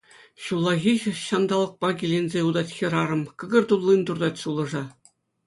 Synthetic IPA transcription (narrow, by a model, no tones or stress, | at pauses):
ɕulˠːɑɣʲixɕɑnd̪ɑlˠɤ̆k̚pɑɡʲilʲenʲzʲeud̪ɑtʲxʲiɾɑɾɤ̆mkɤ̆ɡɤ̆rt̪ulˠːind̪urd̪ɑt̪ʲsulˠɤ̆ʐɑ